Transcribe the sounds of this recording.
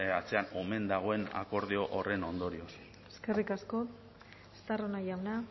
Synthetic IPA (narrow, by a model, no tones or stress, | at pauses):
at͡se̞ano̞me̞nd̪aɣ̞o̞e̞na̰ko̞ɾðeo̞ʔore̞no̞nd̪o̞ɾio̞s | eske̞rikasko̞ | est̪aronaʝawna